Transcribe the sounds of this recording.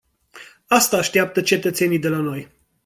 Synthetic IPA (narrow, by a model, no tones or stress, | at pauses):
ast̪aːʃt̪iap̚t̪ət͡ʃe̞t̪ət̪se̞nijd̪e̞lano̞j